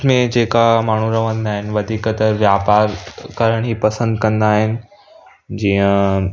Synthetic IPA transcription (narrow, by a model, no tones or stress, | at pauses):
mẽd͡ʑeːkamaːɳ̤ũɾɐʋə̃nd̪aːɦɪnɪʋɐd̪ʱiːkət̪ɐʋjaːpaːɾkɐɾəɽ̃ɦiːpɐsə̃nd̪kɐ̃nd̪aːɦɪnɪ̆ | d͡ʑiːə̃